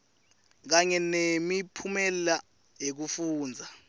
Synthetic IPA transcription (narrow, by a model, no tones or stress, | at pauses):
k̬aɲɛnemipʰumɛlɛla | jek̬ufuːnd͡zʱa